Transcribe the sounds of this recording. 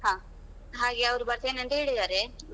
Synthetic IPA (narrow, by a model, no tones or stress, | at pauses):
ɦaː | ɦaːɡeɐʋɾubɐɾt̪eːneɐnt̪eeːɭid̪aːɾe